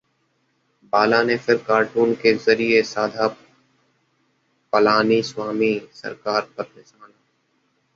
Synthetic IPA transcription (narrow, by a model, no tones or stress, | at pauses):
baːlanepʰɪɾkaːɾʈuːnkezɐɾiesaːd̪ʱa | pəlaːniswaːmisɐ̰ɾkaːɾpɐɾnɪʃaːla